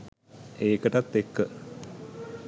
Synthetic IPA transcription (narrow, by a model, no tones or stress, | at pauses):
eːkəʈɐt̪ːekːə